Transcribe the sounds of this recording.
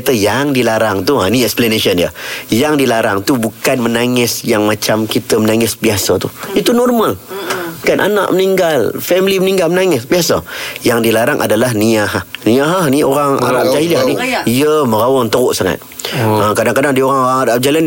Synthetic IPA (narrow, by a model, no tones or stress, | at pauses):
t̪əjaŋdilaɾaŋt̪uaniɛksplaneʃənjə̰jaŋdilaɾaŋt̪ubukanmənaŋɪsjaŋmat͡ʃamkit̪əmənaŋɪsbiasat̪uit̪unɔrmalkanʔa̰na̰ʔməniŋɡalfɛmliməniŋɡalmənaŋɪsbiasa̰jaŋdilaɾaŋʔa̰dalaɦniaɦanĩaɦanioɾaŋa̰ɾaʔd͡ʒaɦilaniijəməɾawɔŋt̪əɣʊʔsaŋa̰t̪̚əkadaŋkadaŋdioɾaŋoɾaŋaɾaʔ̚d͡ʒailan